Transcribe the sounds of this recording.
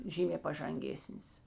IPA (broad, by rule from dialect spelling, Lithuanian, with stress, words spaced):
ˈʒʲiːmʲeː pɐʒɐŋʲˈɡʲeːsʲnʲɪs